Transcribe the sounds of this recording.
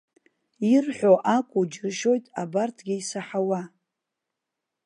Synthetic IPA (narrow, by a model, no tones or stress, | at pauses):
irħʷᶣoʔakʷʼud͡ʒɪrʃo̞jtʼabartʰɡʲɪisaħawa